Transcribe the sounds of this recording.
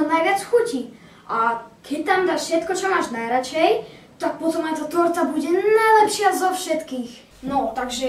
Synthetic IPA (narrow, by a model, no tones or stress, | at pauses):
ɔnajvʲjat͡ssxuci | ʔakʰɛt̪amd̪aʃʃɛt̪kɔt͡ʃɔmaʃnajɾat͡ʃɛj | t̪ak̚pɔt̪ɔmajt̪at̪ɔɾt̪abud͡ʑɛnajlɛpʃjazafʃɛt̪kix | nɔt̪aɡʒɛ